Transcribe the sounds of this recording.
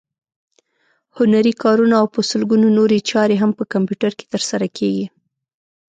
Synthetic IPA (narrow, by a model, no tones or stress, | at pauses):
hʊnaɾikɑɾunaːwpəsəlɡunonoɾet͡ʃɑɾeɦampəkampjuʈaɾke̥t̪əɾsaɾakʰeɡi